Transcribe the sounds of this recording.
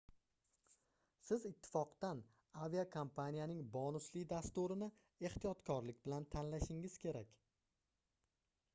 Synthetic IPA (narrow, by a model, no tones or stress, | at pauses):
sɪzɪt̪ʰːɪ̥fɒqd̪an | avijakʰompʰanijanɪŋbɒnʊslɪd̪ast̪uɾɪnɪ | e̞ht̪ijɒt̪kʰɒɾlɪkʲbɪlant̪ʰanlaʃɪŋɪz̥kʲʰe̞ɾakʲ